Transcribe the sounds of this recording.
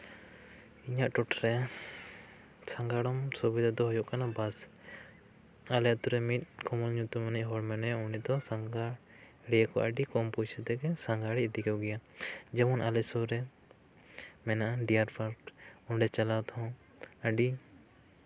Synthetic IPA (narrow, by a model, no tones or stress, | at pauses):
iɲaʔʈɔʈɾɛa | saŋɡaɽɔmsubid̪ad̪ɔɦɔjɔʔkanabas | alɛt̪uɾɛmit̪̚ˀkɔmɔlɲut̪umaniʔɦɔɽmɛnɛunid̪ɔsaŋɡaɽ | ɽijakɔ̰ʔəɖikɔmput͡ʃʰɛt̪ɛkɛsaŋɡaɽid̪ikɛɡɛjad͡ʒɛmɔnalɛsɔɾɛ | mɛnaʔaɖijaɾpʰaɾkɔɳɖɛt͡ʃalat̪ʰɔ̃ | əɖi